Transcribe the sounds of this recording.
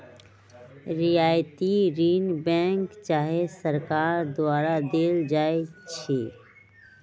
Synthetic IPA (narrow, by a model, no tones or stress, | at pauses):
ɾiaːjt̪iɾiːnbɛ̃ːŋkt͡ʃaːɦesəɾkaːɾd̪waːɾad̪eːld͡ʒaːet͡ʃʰeː